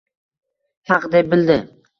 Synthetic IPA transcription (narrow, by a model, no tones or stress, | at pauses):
hɑqd̪ep̚bɪld̪ɪ